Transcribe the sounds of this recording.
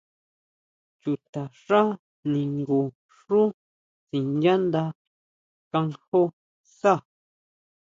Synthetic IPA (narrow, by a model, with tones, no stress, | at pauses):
t͡ʃu˨t̪a˨ʂa˦ | nĩ˨ŋɡu˧ | ʂu˦ | t͡si˨nd͡ʒã˦nd̪a˧ | ka˧ŋho˦ | sa˦˨